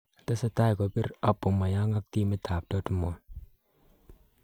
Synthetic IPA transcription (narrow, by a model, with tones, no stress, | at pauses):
ta˦sa˦ta˦jko˨pi˦ɾa˦pːu˨ma˨ja˦ŋa˦k̚ti˦mi˦ta˨p̚dɔ˦tu˦mo˨n